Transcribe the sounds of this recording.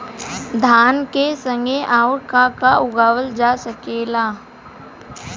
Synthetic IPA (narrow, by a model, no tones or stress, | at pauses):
d̪ʱaːnkesə̃ŋɡeʔaːʊɾkakaʔʊɡaːʋəld͡ʒaːsəkeːlaː